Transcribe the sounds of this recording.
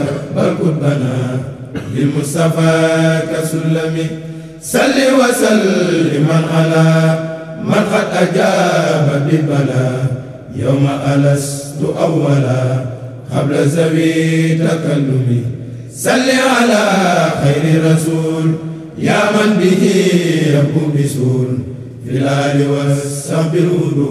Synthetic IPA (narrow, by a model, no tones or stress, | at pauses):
balkut̚bana | bilmustafakasulːami | salːiwasalimanʔala | manfatad͡ʒababibana | ja̰wmaʔalastuʔawwala | ka̰blazawitakalduli | salːialaxajɾiɾasuːl | jamanbihijabubisul | ilajiwasambiɾudu